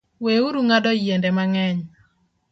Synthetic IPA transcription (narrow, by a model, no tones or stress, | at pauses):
weuɾuŋadɔjendɛmaŋɛɲ